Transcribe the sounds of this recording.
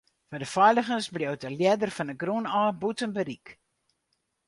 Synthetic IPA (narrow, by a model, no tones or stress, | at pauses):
fədəfœjləχənsbliowtəlidərfɑnəɡrunaːbutənbəɾik